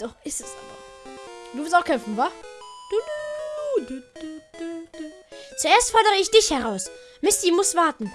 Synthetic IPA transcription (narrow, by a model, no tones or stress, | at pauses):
d̥ɔχɪsɛsa | d̥uːvɪlstaʊxkʰɛmfn̩vaːd̥u | dd̥d̥d̥t͡suʔeːɐstfɔɐdəʁəɪçd̥ɪçhɛʁaʊsmɪstimʊsv̥aɐtn̩